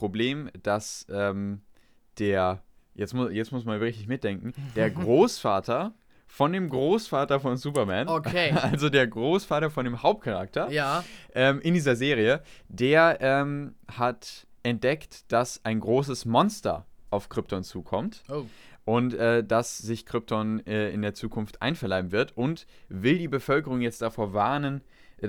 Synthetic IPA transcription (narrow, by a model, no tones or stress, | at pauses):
pʁ̥obleːmd̥asʔɛːm | d̥eːɐ | jɛt͡smʊjɛt͡smʊsmanyvbɐʁɪçtɪçmɪt̚d̥ɛŋkŋ̩d̥eːɐɡʁoːsfaːtɐ | fɔndeːmɡʁoːsfaːtɐfɔnzuːpɐmɛːnokeʔalzodeːɐɡʁoːsfaːtɐfɔndeːmhaʊp̚t̚kʰaʁa̰k̚tɐjaʔɛːmʔɪndiːzɐzeːʁiədeːɐʔɛːmhat | ʔɛnt̚d̥ɛktd̥asaɪnɡʁoːs̬əsmɔnstɐ̰ʔaʊfkʁ̥ɪp̚tʰɔnt͡suːkʰɔmtoʔʊntʔɛːdasz̥ɪçkʁ̥ɪp̚tʰɔnʔɛɪ̰ndeːɐt͡suːkʰʊnftʔa̰ɪnfɛɐlaɪbm̩vɪɐtʔʊnt | v̥ɪldiːbəfœlkəʁʊŋjɛt͡st̚d̥afoːɐvaɐnən